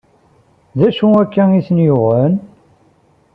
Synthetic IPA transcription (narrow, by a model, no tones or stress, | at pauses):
ðæʃuækːæisənjʊʁən